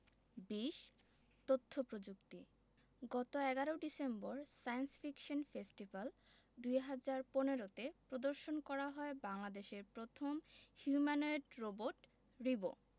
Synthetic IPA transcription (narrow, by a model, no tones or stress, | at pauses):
biʃ | t̪ot̪ʰːopɾod͡ʑukt̪i | ɡɔt̪oɛɡaɾoɖisemboɾsajnsfikʃonfesʈibal | d̪ujɦad͡ʑaɾponeɾot̪epɾod̪oɾʃonkɔɾaɦɔebaŋlad̪eʃeɾpɾot̪ʰomhjumanajɖɾoboʈ | ɾibo̰